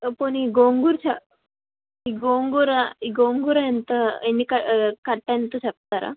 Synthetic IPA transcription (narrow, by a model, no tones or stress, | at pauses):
pəɳiɡoŋɡuːɾt͡ɕʰa | iɡoŋɡuɾaiɡoŋɡuɾajent̪əenːikakaɽʈ̪ant̪əɕak̚t̪aɾa̰